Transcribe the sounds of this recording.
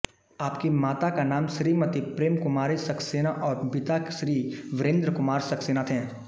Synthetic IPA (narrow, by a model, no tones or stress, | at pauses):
aːpkemaːt̪akanaːmʃɾimɐt̪ipɾeːmkʊmaːɾisɐkʰseːnaʔɔːɾpɪt̪akʃɾiːʋɪɾẽːnd̪ɾəkʊmaːɾsɐkseːnat̪ʰɛ̃ː